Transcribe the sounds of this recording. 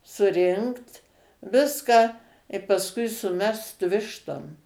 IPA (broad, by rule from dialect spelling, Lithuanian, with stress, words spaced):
sʊˈrʲɪŋkt ˈʋʲɪskɑː ɪ pɐsˈkʊɪ sʊˈmʲɛst ˈʋʲɪʃtoːm